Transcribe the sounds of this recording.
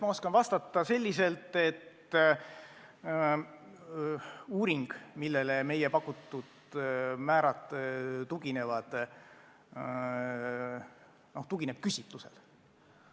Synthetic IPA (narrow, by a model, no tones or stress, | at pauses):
mɑo̞skɑnvɑst̪ɑt̪ːˑɑse̞lʲːise̞lt̪ːˑe̞t̪ː | uːɾiŋɡ̥milːe̞leme̞jepɑkːˑut̪ːˑud̪̥ | mæːɾɑt̪ˑt̪uɡine̞vɑd̪̥ | no̞ht̪uɡ̥ine̞b̥̚kysʲit̪luse̞̰l